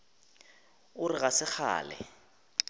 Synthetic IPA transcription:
ʊrɪɣasɪχa̰ːlɛ̰

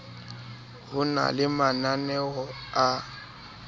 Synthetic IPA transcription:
ɣʊna̰lɪmananɛɔa

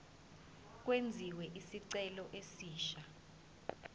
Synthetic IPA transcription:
k̬ʼwend͡zʱiwɛʔisiǀɛlɔʔesiːʃa

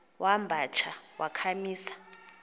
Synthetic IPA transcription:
wʔambʱat͡ʃʰawakʰamiːsḁ

